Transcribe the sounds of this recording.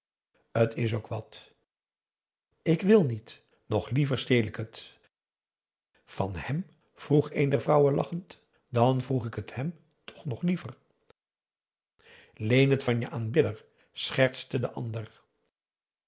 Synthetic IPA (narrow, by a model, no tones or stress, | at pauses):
ətʰɪs̬owkʋɑt | ɪkʋɪlˠnit | nɔχlivəɹstejlɪkɦət | v̥ɑnhɛm | v̥ruχejndɛɹvrɑwəlʔɑ̰χənt | dɑnvruχɪkəthɛm | tʰɔ̥χnɔχlivər | lejnətfɑnjəʔaːnbɪdəɹ | sχɛɹtstədəʔɑ̰ndər